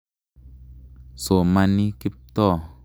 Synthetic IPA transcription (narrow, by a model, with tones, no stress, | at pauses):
so˨ma˧ni˦ki˦p̚t̪ɔ˦˨